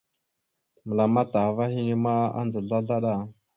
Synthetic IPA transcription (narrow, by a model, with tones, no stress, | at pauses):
mə˨la˨ma˦ta˨va˦hi˦ni˦ma˦a̰˦nd͡zə˨ɮa˦ɮa˦ɗa˦˨